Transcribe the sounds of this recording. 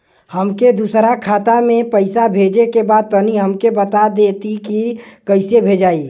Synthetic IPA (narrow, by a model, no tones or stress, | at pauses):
həmked̪usɾakʰaːt̪amẽpəɪsabʱeːd͡ʒekebaːd̪̚p̪əniɦəmkebət̪ad̪eːt̪ikikəɪsebʱed͡ʒaːi